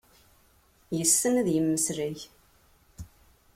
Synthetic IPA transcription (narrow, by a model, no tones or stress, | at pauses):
jəsːənæðjəmːəsɾɪʝ